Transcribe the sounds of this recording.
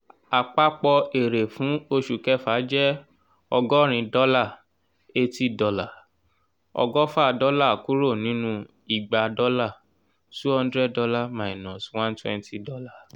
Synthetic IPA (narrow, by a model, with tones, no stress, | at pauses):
a˨k͡pa˦k͡pɔ˧e˨ɾe˨fũ˨˦o˧ʃu˨kɛ˦fa˨˦d͡ʒɛ˦ | ɔ˧ɡɔ˦ɾ̃ĩ˧dɔ˦la˦˨ | e˦ti˦dɔ˧la˨ | ɔ̰˧ɡɔ˦fa˦˨dɔ˦la˦˨ku˦ɾo˦˨nĩ˨˦nũ˧ | i˨ɡ͡ba˨dɔ˦la˦˨ | su˦ɔ˧n˦dɾɛ˦˨dɔ˧˦la˦˨mã˨i˨nɔ̃˨swã˦n˦twɛ̰̃˦˧nti˧dɔ˦la˦˨